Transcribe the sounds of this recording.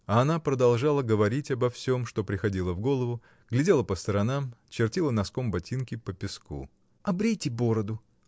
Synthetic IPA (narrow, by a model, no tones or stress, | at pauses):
ɐɐnapɾəd̪ɐlˠʐalˠəɡəvɐɾʲitʲɐbɐfsʲo̞mʂt̪o̞pɾʲɪxɐdʲilˠəvɡo̞lˠəvʊ | ɡ̥lʲɪdʲe̞lˠəpəst̪əɾɐnamt͡ɕɪrtʲilˠənɐsko̞mbɐtʲinkʲɪpəpʲɪskṵ | ɐbɾʲejtʲɪbo̞ɾəd̪ʊ